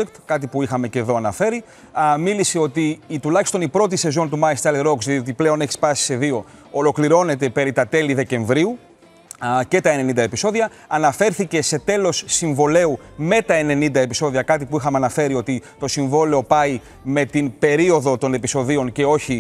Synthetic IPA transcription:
ekt̪kɐt̪̬ipuixɐme̞ce̞ðo̞ɐnɐfe̞ɾi | miliseo̞t̪it̪ulɐçi̥st̪o̞nipɾo̞t̪̬ise̞zo̞nt̪umɐist̪ɐleɾoksðiiot̪iple̞o̞ne̞çi̥spɐsi̥se̞ðio | olo̞kliɾo̞ne̞t̪e̞pe̞ɾit̪ɐt̪e̞liðe̞ce̞ɱvɾiu | ce̞t̪ɐene̞nind̪ɐepiso̞ðiɐ | ɐnɐfe̞ɾθice̞se̞t̪e̞lo̞sːiɱvo̞le̞ume̞t̪ɐene̞nind̪ɐepiso̞ðiɐkɐt̪ipuixɐmeɐnɐfe̞ɾio̞t̪it̪o̞siɱvo̞le̞o̞pɐi | me̞t̪inbe̞ɾio̞ðo̞t̪o̞ne̞piso̞ðio̞nce̞o̞çi

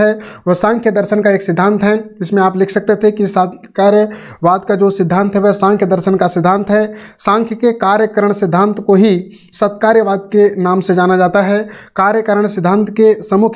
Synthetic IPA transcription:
ɛʋosãːŋkʰjəd̪əɾʃənkaeːksɪd̪ʱːãːnt̪ɦɛd͡ʒɪsmẽaːplɪkʰsək̚t̪et̪ʰekisət̪kaːɾjə | ʋaːd̪kad͡ʒoːsɪd̪ʱːãːnt̪ɦɛʋosãːŋkʰjəd̪əɾʃənkasɪd̪ʱːãːnt̪ɦɛsãːŋkʰjəkekaːɾjəkəɾəɽ̃sɪd̪ʱːãːnt̪koɦi | sət̪kaːɾjəʋaːd̪kenaːmsẽd͡ʒaːnad͡ʒaːt̪aɦɛkaːɾjəkəɾəɽ̃sɪd̪ʱːãːnt̪ʰkesəmukʰ

